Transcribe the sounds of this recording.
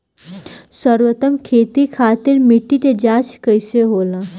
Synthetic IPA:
səɾʋət̪əmkʰeːt̪ikʰaːt̪iɾmiʈːiʈed͡ʒaːskəjseɦoːlã

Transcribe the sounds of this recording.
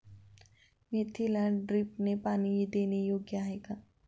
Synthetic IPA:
met̪ʰilaɖɾɪpnepaːnid̪eːnejoːɡjaɦɛka

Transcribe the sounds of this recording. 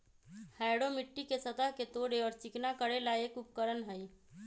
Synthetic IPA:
haːɪɽomɪʈːikesɐt̪əɦket̪oːɽeɔːɾt͡ʃɪknakəɽelaeːkʊp̚kəɾənɦəi

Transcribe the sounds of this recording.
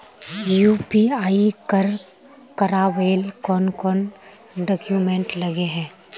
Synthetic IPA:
juːpiaːikəɾ | kɐɾaʋeːlkɔːnkɔːn | ɖɔːkjumɛ̃ːɳʈlɐɡeɦɛ̃ː

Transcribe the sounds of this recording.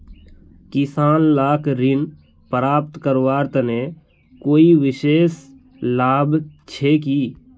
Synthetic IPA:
kɪsaːnlaːkɾɪn | pəɾaːp̚t̪kəɾwaːɾt̪ne | koːiʋɪʃeːs | laːbt͡ʃʰekiː

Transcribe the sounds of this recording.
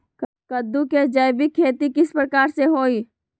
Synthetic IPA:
kəd̪ːuked͡ʒɐjbikʰeːt̪ikɪspɾəkaːɾseɦoːiː

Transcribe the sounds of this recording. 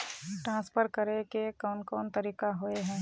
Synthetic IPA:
ʈɾãːspʰəɾkəɾekekɔːnkɔːnt̪əɾiːkaɦoeɦɛ̃ː

